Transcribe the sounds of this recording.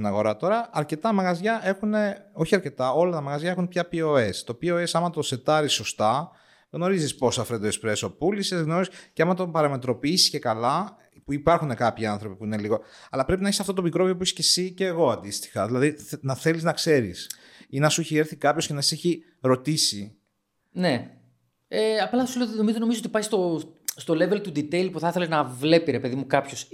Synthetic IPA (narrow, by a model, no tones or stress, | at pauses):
inɐɣo̞ɾɐt̪o̞ɾɐɐɾce̞t̪ɐmɐɣɐzʝɐe̞xune̞o̞çiɐɾce̞t̪ɐo̞lɐt̪ɐmɐɣɐzʝɐe̞xunpçɐpioe̞st̪o̞pioe̞sɐmɐt̪ose̞t̪ɐɾisːo̞st̪ɐ | ɣno̞ɾizispo̞sɐfɾend̪oekspɾeso̞pulisezɣno̞ɾisceɐmɐt̪opɐɾɐme̞t̪ɾo̞piːsi̥sce̞kɐlɐ | puipɐɾxune̞kɐpçiɐnθɾo̞pipuine̞liɣo̞ɐlɐpɾpinɐeçisɐft̪ot̪omikɾo̞viop̬uiçisce̞siceːɣo̞ɐnd̪ist̪i̥xɐðilɐðinɐθe̞liznɐkse̞ɾḭs | inɐsueçieɾθikɐpçoscenɐsseçi | ɾo̞t̪isi | ne | eɐplɐɐsulenomizonomizot̪ipɐjst̪ost̪o̞le̞velt̪ud̪it̪eilpuθɐθe̞lenɐvle̞piɾepe̞ðimukɐpços